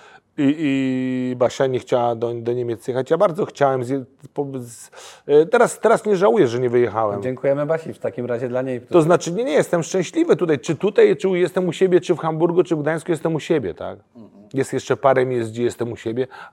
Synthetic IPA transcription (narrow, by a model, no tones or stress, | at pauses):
iibaɕaɲɛxt͡ɕawad̪ɔd̪ɔɲemʲɛt̪sjɛxat͡ɕjabaɾd̪zɔxt͡ɕawɛmzʲjɛpɔz | t̪ɛɾast̪ɛɾasɲɛʐawujɛʐɛɲɛvɘjɛxawɛmd͡ʑeŋkujɛmɘbaɕift̪akʲimɾaʑɛd̪laɲejt̪ɔznat͡ʂɘɲɛɲɛjɛst̪ɛmʂt͡ʂɛ̃w̃ɕlʲivɘt̪ut̪ajt͡ʂɘt̪ut̪ajt͡ʂɘujɛst̪ɛmuɕɛbʲjɛt͡ʂɘfxambuɾɡut͡ʂɘvɡd̪aj̃skujɛst̪ɛmuɕɛbʲjɛ̰t̪a̰k | jɛst̪jɛʂt͡ʂɛpaɾɛmʲezd͡ʑɛjɛst̪ɛmuɕɛbʲjɛ